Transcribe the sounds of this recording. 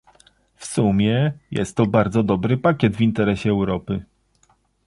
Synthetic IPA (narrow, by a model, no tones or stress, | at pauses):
fsumʲjɛjɛ̰st̪ːɔbaɾd̪zɔd̪ɔbɾɘpakʲɛd̪vʲint̪ɛɾɛɕɛːwɾɔpɘ